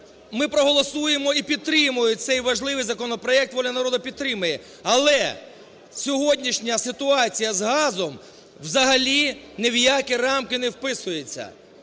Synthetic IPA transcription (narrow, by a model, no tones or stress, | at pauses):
mɪpɾɔɦɔlˠɔsujemɔipʲid̪̚t̪ɾɪmʊjʊsɛjʋɐʒlˠɪʋɪjzɐkɔnɔpɾɔɛk̚t̪ʋɔlʲɐnɐɾɔd̪ɐpʲid̪̚t̪ːɾɪmɐjɛ | ɐlˠɛ | sʲɔɦɔdʲnʲiʃnʲɐsɪt̪ʊɑt͡sʲijɐzɦɑzɔm | wzɐɦɐlʲinewjakirɑmkɪnɛwpɪsʊjet͡sʲːɐ̰